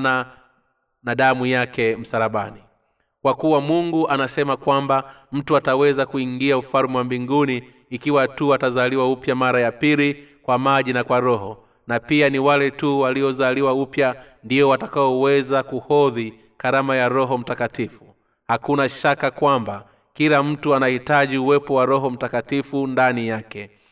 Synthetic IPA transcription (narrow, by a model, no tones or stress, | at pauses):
na | naɗamujakɛm̩saɾaɓani | kwakuwamuŋɡuʔanasɛmakwambam̩tuatawɛzakuiŋɡiaufaɾmɛwambiŋɡuniː | kiwatuatazaliwaupjamaɾajapilikwamaʄinakwaɾɔɦɔ | napianiwalɛtuwaliɔzaliwaupja | ndiɔwatakaɔwɛzakuhɔði | kaɾamajaɾɔɦɔm̩takatifu | hakunaʃakakwamba | kilam̩tuanahitaʄiuwɛpɔwaɾɔɦɔm̩takatifundanijakɛ